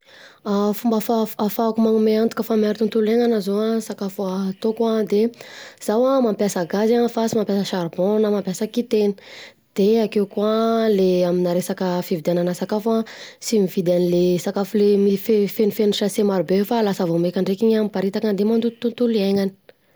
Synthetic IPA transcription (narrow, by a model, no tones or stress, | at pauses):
afumbafaafaakumaŋumeant̪u̥kʲəfamiaɾit̪unt̪uleŋanazoasakafat̪okuad̪ez̥awamampjasəɡazanfasimampjasəʃaɾbõnamampjasəkit̪enə̥ | d̪̥eakewkualeaminaɾesakəfivid̪ananəsakafãsimivid̪anilesakafulemifefeifeniʃasemaɾubefalasəvomekʲaɳɖ͡ʐekiɲamipaɾit̪akənd̪emand̪ut̪unt̪uleŋani̥